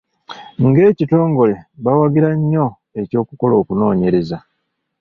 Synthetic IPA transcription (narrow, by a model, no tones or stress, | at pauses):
ŋɡe̞ːcito̞ːŋɡo̞le̞βawaɡiɾaɲːo̞ | e̞co̞ːkuko̞lo̞ːkuno̞ːɲe̞ɾe̞za